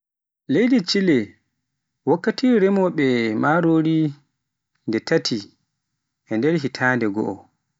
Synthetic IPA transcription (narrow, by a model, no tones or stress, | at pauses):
lejdit͡ʃilɛ | wakːatiɾɛmɔɓɛmaɾoːɾi | ndɛtʰatʰi | ʔɛndɛɾɦitʰaːndɛɡɔ̰ʔɔ